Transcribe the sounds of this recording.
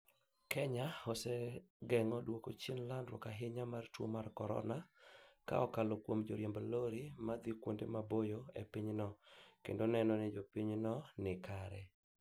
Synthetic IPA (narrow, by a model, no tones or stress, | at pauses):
kʰɛɲaɔsɛɡɛŋɔdwoko̰t͡ʃinlandɾwɔkaɦɪɲamartwo̰markɔɾɔ̰naka̰ɔkalokwomd͡ʒoɾjemboloɾimad̪ikwondemabojoḛpiɲnɔkḛndonɛnɔnɪd͡ʒopiɲnɔnɪkaɾɛ